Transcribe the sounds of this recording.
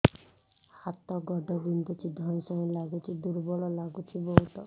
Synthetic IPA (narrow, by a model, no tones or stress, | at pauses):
hat̪ɔɡɔɖɔbind̪ɔt͡ʃʰid̪ʱɔnsɔɦẽlaɡut͡ʃʰid̪uɾbɔlɔlaɡut͡ʃʰibɔɦut̪ɔ